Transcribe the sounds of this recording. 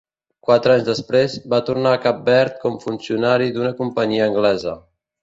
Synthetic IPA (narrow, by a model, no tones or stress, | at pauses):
kwat̪ɾaɲzðəspɾezbat̪urnaːkap̚bɛɾt̪̚kɔmfunsiunaɾid̪unəkumpəɲiəːŋɡlɛzə